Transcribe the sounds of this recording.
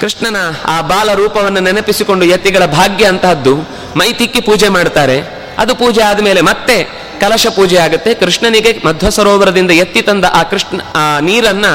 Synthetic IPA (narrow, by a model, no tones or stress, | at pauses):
kɾiʂɳɐnɐaːbaːlɐɾuːpɐʋɐnːɐnɛnɐpisiko̞ɳɖujɐt̪ːiɡɐɭɐbʱaːɡjɐːnt̪aɐd̪ːu | mɐjt̪ikːipuːd͡ʒemaːɽt̪aːɾe̞ | ɐd̪upuːd͡ʒɛaːd̪ɐmeːle̞mɐt̪ːe̞ | kɐlɐʃɐpuːd͡ʒɛjaːɡut̪ːe̞kɾiʂɳɐniɡe̞mɐd̪ʱʋɐsɐɾɔːʋɐɾɐd̪ind̪ɐjɐt̪ːit̪ɐnd̪ɐʔaːkɾiʂɳɐniːɾɐnːɐ